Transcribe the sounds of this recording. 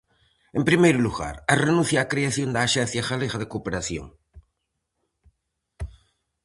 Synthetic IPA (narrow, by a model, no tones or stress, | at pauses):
empɾimejɾuluɣa̰ɾarenunθjakɾeaθjond̪aːʃen̟θjaxaleɣaðekopeɾaθjo̰ŋ